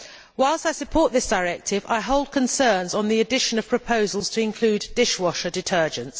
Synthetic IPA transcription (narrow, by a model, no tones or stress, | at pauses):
waɪlˠstaɪsəpʰɔˑʔðɪsd̥əɪɹɛk̚tʰɪva̰ɪɦoʊlˠd̚kʰə̃nsɜːnzn̩ðiədɪʃə̃nəv̥pʰɹ̥əpʰəʊzəlˠz̥tʰəɪ̃nkʰl̥ʉːdɪʃwɒʃədɪtʰɜːd͡ʒə̃ns